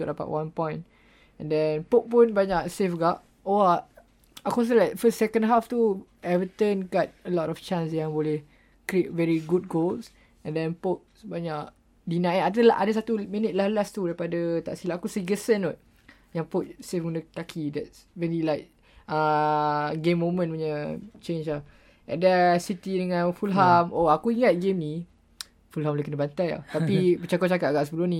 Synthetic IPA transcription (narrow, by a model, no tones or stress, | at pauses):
tɔdapa̰ʔwãnpɔ̃jn | ɛ̃ndɛ̃npok̚punbaɲaʔsefɡaʔ | oa | akus̬əlajkfəstsɛkə̃ndɦaft̪u | ɛvət̪ənɡɔt̚əlɔtɔft͡ʃãnsjãŋbolɛh | kɾiet̚vɛɹiɡut̚ɡols | ɛ̃ndɛ̃npok̚baɲaʔ | dinãə̃nat̬əlaa̰dəsat̪umĩnət̚lahlast̪udaipadət̪a̰ʔsilaakusiɡəsənɔt̪̚ | jaŋpot̪̚sefɡundət̪akʰidɛt̚s | vɛlilajk̚ | a | ɡemːomə̃npuɲət͡ʃẽnt͡ʃlah | ʔɛ̰dɛsit̪idəŋãnfulɦamoakuiŋat̪̚ɡemni | fulɦamlakənəbant̪aja̰t̪apibət͡ʃakɔʔ̚t͡ʃakat̪̚aɡaʔsəbəlʊhnĩ